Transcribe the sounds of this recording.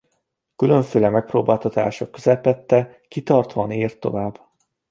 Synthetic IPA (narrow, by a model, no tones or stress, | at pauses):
kylø̞ɱføːlɛmɛk̚proːbaːlt̪ɒt̪a̰ːʃɒkːøzɛpɛt̪ːɛ | kit̪ɒrt̪oːniːrt̪ːo̞̰vaːbː